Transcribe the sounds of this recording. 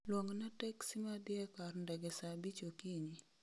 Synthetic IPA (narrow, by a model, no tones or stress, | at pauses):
lwɔŋnatɛksimadɪɛkarndɛɡɛsabit͡ʃokiɲi